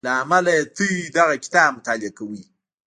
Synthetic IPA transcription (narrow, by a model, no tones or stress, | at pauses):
laamalaet̪əjid̪aɣakɪ̥t̪ɑbmʊt̪ɑlɪakawi